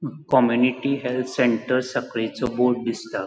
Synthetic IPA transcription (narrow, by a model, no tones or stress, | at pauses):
kɔmjuniʈiɦelt̪ʰseɳʈəɾsəkɭet͡sɔboɾʈ̚d̪ist̪a